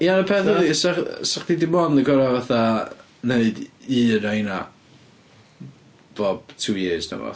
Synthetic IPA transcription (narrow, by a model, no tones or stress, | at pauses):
janəpʰɛðʊðiəsaχsaχdidɪmɔnəɡɔɾavaθa | neɨdiːnajna | b̥ɔb̥̚tʰujeznə̰mɔ̰